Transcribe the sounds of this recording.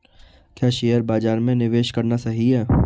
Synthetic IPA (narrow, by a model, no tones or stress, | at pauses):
kjaːʃeːjəɾbaːd͡ʒaːɾmẽnɪʋeːʃkɐɾnasɐɦiɦɛː